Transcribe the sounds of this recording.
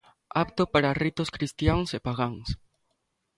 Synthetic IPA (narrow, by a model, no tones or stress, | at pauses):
apt̪opaɾarit̪oskɾist̪jaŋsepaɣaŋs